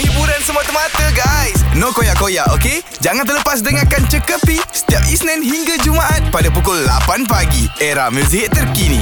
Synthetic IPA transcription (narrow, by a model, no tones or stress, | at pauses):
hibuɾansəmuat̪əmat̪əɡajsnõkojaʔkojaʔoke | d͡ʒaŋãnt̪ərləpas̬dəŋakant͡ʃəkəpisə̥t̪iap̚isnɛ̃nɦiŋɡad͡ʒumaʔat̪̚padapukʊlːa̰panpaɡieɾahmə̃siɦɪt̪̚ːərkinḭ̃